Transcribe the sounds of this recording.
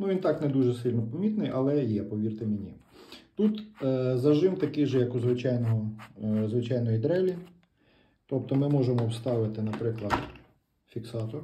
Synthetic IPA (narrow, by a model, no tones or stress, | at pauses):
nuʋʲint̪ɑknɛd̪uʒɛsɪlʲnɔpɐmʲit̪nɪjʔɐlˠɛjɛpɔʋʲirt̪ɪmenʲit̪ut̪ːzɐʒɪmt̪ɐkɪjʒɛjɐkuzʋɪt͡ʃɑjnɔɦɔzʋɪt͡ʃɑjnɔjid̪ɾɛlʲi | t̪ɔp̚t̪ɔmɪmɔʒemɔwst̪ɑʋɪt̪ɪnɐpɾɪklˠɐd̪ | fʲiksɑt̪ɔr